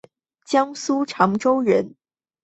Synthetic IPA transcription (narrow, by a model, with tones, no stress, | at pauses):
t͡ɕjɑ˥ŋsu˥ʈ͡ʂʰɑ˧˥ŋʈ͡ʂo˥ʊɻə˧˥n